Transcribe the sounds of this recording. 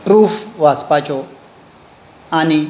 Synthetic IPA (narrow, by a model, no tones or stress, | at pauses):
pɾufwazpat͡ʃo | ani